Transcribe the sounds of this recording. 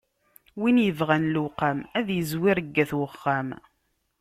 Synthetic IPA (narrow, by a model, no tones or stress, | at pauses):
winjəvʁanluqamæðjəzwiɾəɡːæθwəχːæm